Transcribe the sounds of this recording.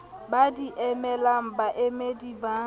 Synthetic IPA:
badiʔemelam̩baʔemediba

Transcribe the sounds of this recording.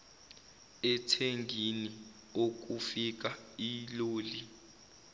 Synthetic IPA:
ɛtʰeŋɡʱini | ok̬ufik̬ailoːli

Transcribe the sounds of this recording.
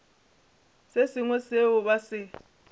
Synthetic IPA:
sesiŋwɛseʊɓasɪ

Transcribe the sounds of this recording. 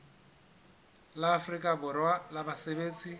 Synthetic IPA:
laːfrikʼabʊrwalabasebeːt͡sʼi

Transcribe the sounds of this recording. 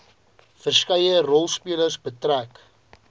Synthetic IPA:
fərskɛjərɔlˠspiələrsbətræk

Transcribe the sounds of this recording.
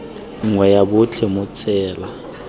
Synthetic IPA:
ŋ̩ŋwɛjabʊt͡ɬʰemʊt͡sʰʼɛːla

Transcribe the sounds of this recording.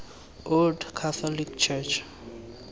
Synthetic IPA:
oldkʰat̪ɔlikt͡ʃʰɛt͡ʃʰ

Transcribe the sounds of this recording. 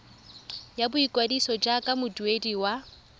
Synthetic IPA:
jabʊikʼwadisɔd͡ʒakʼamʊduediwa

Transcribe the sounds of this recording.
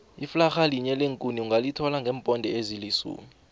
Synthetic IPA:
iflaxaliɲɛleŋkʼuniuŋɡʱalitʰɔlaŋɡʱɛːmpʼɔndʱɛezilisṵːmi

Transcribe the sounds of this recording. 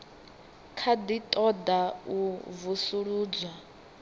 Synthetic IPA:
kʰad̪it̪ʼɔd̪auvusuɺuːd͡zwa

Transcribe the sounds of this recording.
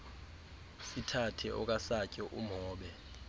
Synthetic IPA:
sitʰatʰɛɔ̰k̬ʼasacʼɔʔum̩ɦɔːɓɛ

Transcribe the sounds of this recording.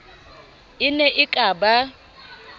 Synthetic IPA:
ɪnɛʔɪkʼaːba

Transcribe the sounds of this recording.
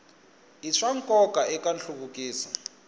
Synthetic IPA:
iʂaŋkʼɔkʼaɛkʼanɬukuk̬ʼiːsa

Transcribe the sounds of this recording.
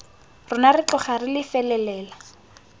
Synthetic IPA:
rʊnarɪt͡ɬɔχarɪlɪfɛlɛlɛːla

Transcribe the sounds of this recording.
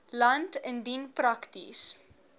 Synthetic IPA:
lɐntəndinprɐktḭs

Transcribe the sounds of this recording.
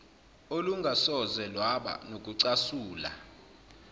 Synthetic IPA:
oluŋɡʱasɔzɛlwaɓa̰nok̬ʼuǀasuːla̰

